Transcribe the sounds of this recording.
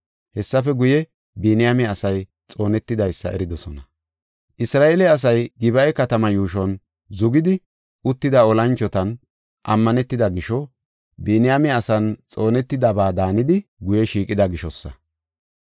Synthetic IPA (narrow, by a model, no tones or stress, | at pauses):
hɛsːɐfɛɡʊjɛ | biːnɪjamɛɐsɐj | t͡sʼo̞ːnɛt̪ːɪd̪ɐjsːɐ̰ɛ̰ɾɪd̪ɔsɔnɐ | ʔɪsɾaːelɛɐs̬ɐjɡɪbɐjkɐt̪ɐmɐjuːʃ̬ɔn | zʊɡɪd̪ɪ | ʊt̪ːɪd̪ɐɔlɐnt͡ʃːɔt̪ɐn | ʔɐmːɐnɛt̪ːɪd̪ɐɡɪʃɔ | biːnɪjamɛɐsɐnt͡sʼo̞ːnɛt̪ːɪd̪ɐbaːd̪aːnɪd̪ɪɡʊjɛʃiːkʼɪd̪ɐɡɪʃɔsːɐ̰